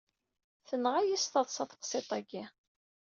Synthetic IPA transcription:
θənʁajist̪ɑðˤsɑθə̥qsˤet̪ˤæɡi

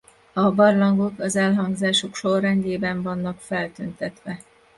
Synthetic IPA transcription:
ɒbɒrlɒŋɡo̞kɒzɛlɦɒŋɡzaːʃokʃorːɛɲɟeːbɛɱvɒnːɒkfɛlt̪ønt̪ɛt̪ʋɛ

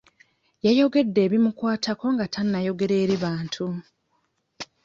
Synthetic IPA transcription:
jajo̞ɡe̞dːe̞ːβimukwaːtʰako̞ŋɡatʰanːajo̞ɡe̞ɾe̞ːɾiβaːntʰu

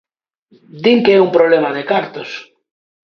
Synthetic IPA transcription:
d̪iŋkeeumpɾoβlemaðekaɾt̪os

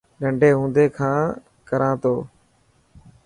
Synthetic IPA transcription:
ɠəɳɖʱeːɦũːnd̪eːkʰãː | kəɾãːt̪oː

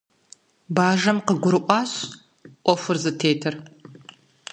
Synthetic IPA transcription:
baːʒɐmqəɡʷʊɾɨʔʷʼɑːɕ | ʔʷɔfʷʊrzɨtʰeːtʰɨr

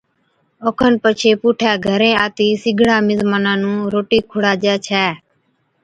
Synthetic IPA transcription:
oːkʰənpət͡ʃʰeːpuːʈʰɛːɡʱəɾẽːaːt̪iːsɪɡʱɽaːmɪzmaːnãːnũːɾoːʈiːkʰʊɽaːd͡ʒaːt͡ʃʰɛː

